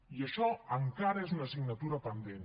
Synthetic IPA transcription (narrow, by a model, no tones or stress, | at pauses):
iəʃɔəŋkaɾɐezunɐsiɡnɐt̪uɾɐpənd̪en